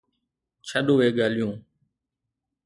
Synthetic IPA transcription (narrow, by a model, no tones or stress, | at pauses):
t͡ʃʰəɗuːʋeːɡaːljũː